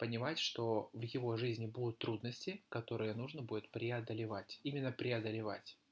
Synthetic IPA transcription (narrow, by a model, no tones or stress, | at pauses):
pənʲɪmatʲʂt̪o̞vjɪvo̞ʐɨzʲnʲɪbud̪ʊt̪ːɾud̪nəsʲtʲɪkɐt̪o̞ɾɨjənuʐnəbudʲɪt̪pɾʲɪɐd̪əlʲɪvatʲimʲɪnːəpɾʲɪɐd̪əlʲɪva̰tʲ